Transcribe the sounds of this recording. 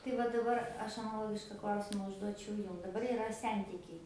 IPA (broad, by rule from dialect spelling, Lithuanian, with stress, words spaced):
tɐɪ ˈʋɐ dɐˈbɐr ˈɐʃ ɐnɐˈlˠoːɡʲɪʃkɐ ˈklˠɐʊsʲɪmɐ ʊʒˈduɔt͡ʃʲɛʊ ˈjʊm dɐˈbɐr ɪˈrɐ ˈsʲɛnʲtʲɪkʲɛɪ